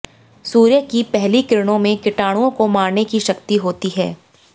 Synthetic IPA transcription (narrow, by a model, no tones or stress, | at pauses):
suːɾjəkipɛɦlikɪɪɾɽ̃õmẽkɪʈaːɽ̃ũõkomaːɾnekiʃɐkt̪iɦoːt̪iɦɛ̰ː